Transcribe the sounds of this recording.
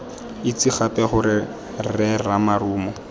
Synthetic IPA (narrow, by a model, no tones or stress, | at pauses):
ɪt͡siχapɛχʊɾɪ | rɛramaɾuːmɔ